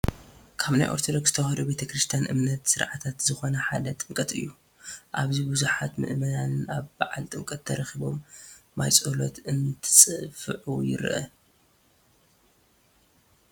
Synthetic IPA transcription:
kʰaβnajʔo̞ɾt̪ʰod̪o̞ɡsz̥ɨt̪ʰɐxɐɾube̞t̪ʰɐkɾɨst̪ʰijanʔɨ̰mnɐt̪sɨɾʕat̪ʰat̪zɨxo̞nɐħad̪ɐt̪ʼɨmkʼɐt̪ɨ̰jːu | ʔaβzibɨzuħat̪mɨ̰ʔmɐnanaβbaʕalt̪ʼɨmkʼɐt̪ʰːɐɾɐxiβo̞̰mːa̰jt͡sʼolo̞̰t̪ʰʔɨnɨt̪ʰɨsʼɨfɨʕujɪ̰ɾʔɐ̰

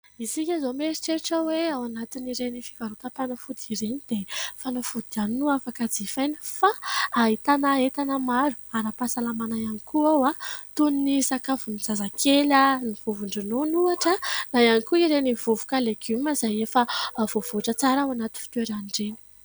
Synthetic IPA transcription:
iziɲazomeɾiʈ͡ʂeʈ͡ʂəweawanat̪iniɾenifi̥kaɾuk̪apanafud̪iɾenid̪̥efanafud̪̥ianinuafakad͡zifajnifaːɦit̪anaet̪anəmaɾu̥aɾapasalamanajanikuawat̪uninisakavuniz̥azakʰelaniv̥uvuɳɖ͡ʐinonuaʈ͡ʂənajanikuiɾenivuvu̥kaleɡuməzajefəv̥ov̥oʈ͡ʂət͡saɾawanat̪infi̥t̪weɾaniɳɖ͡ʐeni̥

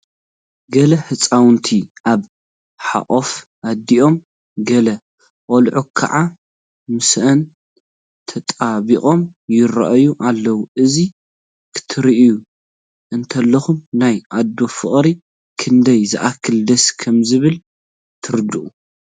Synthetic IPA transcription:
ɡɐlɐħɨt͡sʼawnt̪ʰiʔaβ | ħa̰ʔʼofʔad̪ːiʔo̞m | ɡɐlɐ | ʔʼolʕukʰa̰ʕa | mɨsʔɐn | t̪ʰɐt̪ʼaβiχʼo̞mjɪɾɐ̰ʔjuʔalːɐwuʔɨzi | kʰɨ̥t̪ʰɨɾiʔju | ʔɨnt̪ʰɐlːɐxumnajʔad̪ːo̞fɨχʼɾi | kʰɨnd̪ɐjzɨʔakʰːɨld̪ɐskʰɐmzɨβɨl | t̪ʰɨɾɨd̪ɨʔʼu

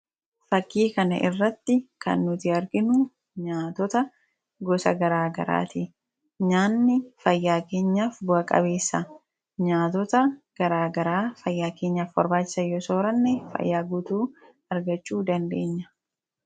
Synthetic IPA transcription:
fɐkːiːkɐnɐ̰ʔɪrːɐt̪ːɪkɐ̰nːʊt̪ɪɐɾɡɪnʊ | ɲaːt̪ɔt̪ɐ | ɡɔsɐ̰ɡɐɾaːɡɐɾa̰ːt̪ɪ | ɲaːnːɪfɐjːaːke̞ːɲːaːfbʊɐkʼɐ̰be̞ːsːɐ | ɲaːt̪ɔt̪ɐɡ̥ɐɾaːɡɐɾaːfɐjːaːke̞ːɲːaːfbɐ̰ɾbaːt͡ʃːɪ̥sɐjoːsoːɾɐnːɛfɐ̰jːaːɡʊt̪uː | ɐɾɡɐt͡ʃːuːd̪ɐnd̪e̞ːɲːɐ̥

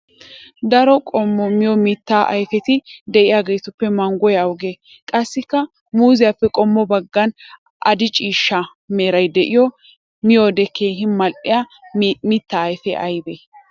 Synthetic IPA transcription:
d̪ɐɾɔkʼɔmːɔmɪjɔmɪt̪ːaːʔɐ̰jfɛt̪ɪd̪ɛʔɪjaːɡe̞jt̪ʊpːɛmɐŋɡɔjɐwʊɡe | kʼɐsːɪkːɐ | muːzɪjapːɛkʼɔmːɔbɐɡːɐn | ʔɐd̪ɪt͡ʃʼiːʃːɐ | meːɾɐjd̪ɛʔɪjɔ | mɪjoːd̪ɛkeːɦɪnmɐlʔɪja | mɪt̪ːaːjfɛʔɐjbe

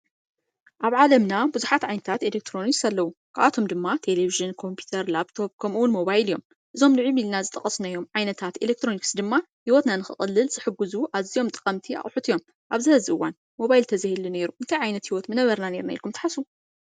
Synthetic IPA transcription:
ʔaβʕalɐmnabuzuħat̪ʕajnɐt̪ʰat̪elek̚t̪ʰɾo̞niksalːɐwukʰaʔat̪ʰo̞md̪ɨmːat̪ʰe̞leβiʒɨnkʰo̞mpʰjut̪ʰɐɾlaβt̪ʰo̞b̚kʰɐmuwʊnmo̞βajlijo̞̰m | ʔɨzo̞mlɨʕimilnazɨt̪ʼɐχʼɐsnajo̞mʕajnɐt̪ʰat̪elek̚t̪ʰɾo̞niksd̪ɨmːa | hiwot̪nanɨxɨ̰χʼɨlːɨlzɨħɨɡuzuʔaβzijo̞mt̪ʼɨkʼɐmt̪ʰia̰χʼħut̪ʰɨjo̞m | ʔaβzɨhɐzɨʔɨwːan | mo̞βajilt̪ʰɐzahelune̞ɾuʔɨnt̪ʰajʕajnɐt̪hiwot̪mɨnɐβɐɾnane̞ɾnajḭɾkʰumt̪ɨ̥ħasu

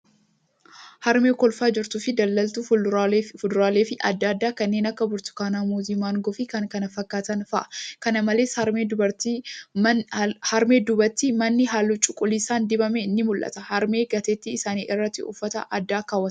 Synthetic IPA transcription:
hɐɾme̞ːkɔlfaːd͡ʒɪɾt̪ʊfɪd̪ɐlːɐlt̪ʊ | fʊd̪ʊɾaːleːfɪʔɐd̪ːaːd̪ːaːkɐnːeːnɐkːɐbʊɾt̪ʊ̥kaːnaːmuzimaːŋɡɔfɪkɐŋkɐnɐfɐkːaːt̪ɐnfɐʔɐ̥kɐnɐmɐleːshɐɾmeːd̪ʊbɐɾt̪i | hɐɾme̞ːd̪ʊbɐt̪ːimɐnːɪɦaːlːʊt͡ʃʼʊkʼːʊliːsaːnd̪ɪbɐmeɪnːɪmʊlʔɐ̰t̪ɐhɐɾme̞ːɡɐt̪eːt̪ːɪːsaːniːʔɪrːɐt̪ːɪʊ̰fːɐt̪ɐ̰ʔɐd̪ːaːkaːwːɐt̪

